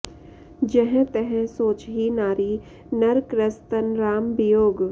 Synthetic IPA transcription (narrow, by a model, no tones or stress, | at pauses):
d͡ʒɛɦɛ̃t̪ɛɦɛ̃soːt͡ʃɦinaːɾi | nɐɾkɾəst̪ənɾaːmbijoːɡ